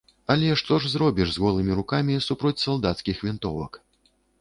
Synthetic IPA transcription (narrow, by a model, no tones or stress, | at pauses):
ɐlʲɛʂt̪ɔʐzɾɔbʲiʐzɣɔlˠɨmʲiɾukamʲisupɾɔt͡sʲsalˠd̪at̪skʲixvʲint̪ɔ̰vɐ̰k